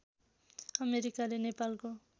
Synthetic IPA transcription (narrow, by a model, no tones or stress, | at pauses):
ʌmeɾikalenepalko